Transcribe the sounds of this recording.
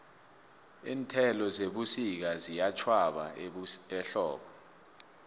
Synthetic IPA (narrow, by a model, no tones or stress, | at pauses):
iːntʰɛlɔzeɓusik̬azijat͡ʃʰwaɓa̰ɛɬɔːɓɔ